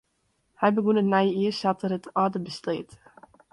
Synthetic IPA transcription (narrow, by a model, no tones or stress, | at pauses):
hajbəɡunətnajiəsɑtəɾətɑːdəbəstleːt